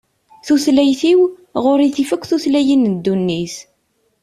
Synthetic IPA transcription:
θuθlæjθiw | ʁoɾiθifəkʷːθuθlæjinəd̪ːunːis

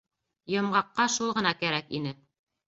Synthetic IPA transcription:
jɤ̆mʁɑqːɑʃulˠʁɤ̆nɑkæɾækḭnɘ

